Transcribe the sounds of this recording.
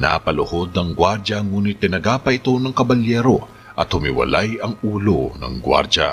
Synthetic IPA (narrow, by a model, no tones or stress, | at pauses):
na̰pɐlʊho̞d̪̚nɐŋɡwaɾd͡ʒɐŋuːnɪt̪ːɪnɐɡaːpɐʔɪt̪o̞nɐŋkɐbɐljɛːɾo̞ | ʔɐt̪hʊmɪwɐ̰lajɐŋuːlo̞nɐ̰ŋɡwa̰ɾd͡ʒa̰